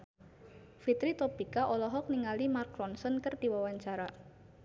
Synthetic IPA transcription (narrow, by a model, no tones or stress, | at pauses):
fit̪ɾit̪ɔpikaʔɔlɔɦɔk̚niŋalimarkɾɔnsɔnkərd̥iwawaɲt͡ʃaɾa